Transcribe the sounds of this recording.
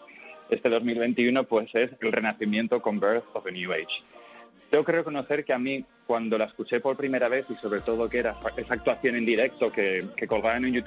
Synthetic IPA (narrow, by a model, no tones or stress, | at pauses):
e̞st̪e̞ð̞o̞zmilβ̞e̞nt̪iuno̞pwe̞se̞se̞lre̞naθimjent̪o̞ko̞mbeɾθoβenjuejt͡ʃ | d̪eokɾeoko̞no̞θe̞ɾkeami | kwand̪o̞lae̞skut͡ʃe̞po̞ɾpɾime̞ɾaβ̞e̞θiso̞βɾe̞t̪o̞ð̞o̞ke̞ɾaae̞saːk̚t̪waθjo̞ne̞nd̪iɾe̞k̚t̪o̞ke̞ke̞ko̞lɣaenũnjut̪